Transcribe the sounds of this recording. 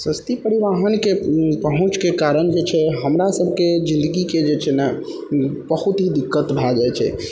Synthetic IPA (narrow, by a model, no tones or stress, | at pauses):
səst̪ipəɾiʋaɦənkepəɦũt͡ʃkekaɾənd͡ʒet͡ʃʰɛɦəmɾasəbʱked͡ʒĩnd̪əɡiked͡ʒet͡ʃʰɛnɛ | bəɦut̪ɦid̪ikːət̪bʱad͡ʒajt͡ʃʰɛ̰